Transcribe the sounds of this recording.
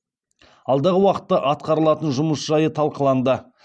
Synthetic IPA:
ɑlˠd̪ɑʁəwɑqə̥t̪ːɑʔɑt̪̚qɑɾəlˠɑt̪ənʒʊməsʒɑjət̪ʰɑlˠqəlˠɑnd̪ə

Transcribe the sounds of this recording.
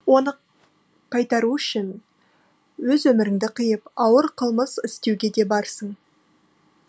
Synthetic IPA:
wo̞nə | qʰɑjt̪ɑɾuʏʃɪn | wɵzwɵmɪɾɪŋd̪ɪqʰəjəpɑwəɾqʰəlˠməsɪst̪e̞wɡʲe̞d̪e̞bɑɾsəɴ

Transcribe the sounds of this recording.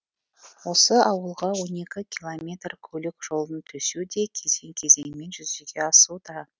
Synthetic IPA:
wo̞səʔɑwəlˠʁɑwo̞ne̞kʲɪkʲʰilˠomʲe̞t̪rkʲʰɵlɪkʲʒ̥o̞lˠd̪ənt̪ʰɵsud̪e̞kʲʰe̞ze̞ŋkʲʰe̞ze̞ŋme̞nʒʏzeɡʲeɑsud̪ɑ

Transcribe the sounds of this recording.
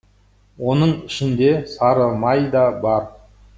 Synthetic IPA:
wo̞nəɴɪʃɪnd̪e̞sɑɾəlˠmɑjd̪ɑbɑɾ

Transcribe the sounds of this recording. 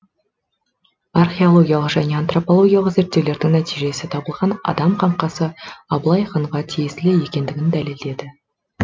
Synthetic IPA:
arχʲeo̞lˠo̞ɡʲijalˠəqʒæne̞ant̪ro̞polˠo̞ɡʲijalˠəqze̞ɾt̪ːe̞wle̞ɾd̪ɪŋnæt̪ijʒe̞sɪt̪ʰɑbəlˠʁɑnɑ̰d̪ɑmqʰɑɴqɑsəɑblˠɑjχəɴʁɑt̪ʰijɪsɪleje̞kʲe̞nd̪ɪɡʲɪnd̪æleld̪e̞d̪ɪ

